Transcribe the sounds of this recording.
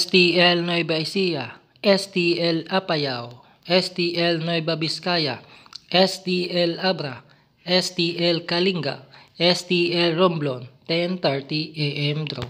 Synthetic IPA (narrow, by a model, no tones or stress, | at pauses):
st̪iɛlnojbaisija | ʔɛst̪iɛlapajaw | ʔɛst̪iʔɛlnojbabiskaja̰ʔɛst̪iɛlabɾa | ʔɛst̪iʔɛlkaliŋɡa̰ʔɛst̪iɛlɾomblont̪ɛnt̪ɛɹt̪iʔɛʔɛmd̪ɾo